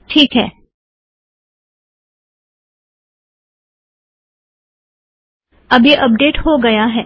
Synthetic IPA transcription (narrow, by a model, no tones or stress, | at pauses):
ʈʰiːkɦɛː | ɐbiʔɐp̚ɖeːʈɦoɡɐjaɦɛː